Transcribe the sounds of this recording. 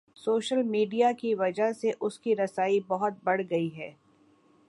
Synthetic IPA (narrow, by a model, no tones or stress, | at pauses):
soːʃəlmiːɖijakiʋɐd͡ʒəɦseʔʊskiɾɐsaːibɐɦʊt̪̚bɐɽɡɐiɦɛː